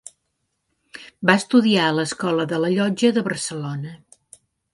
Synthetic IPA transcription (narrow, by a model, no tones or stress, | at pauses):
baəst̪uðiaələskɔləðələʎɔd͡ʒəðəβərsəlonə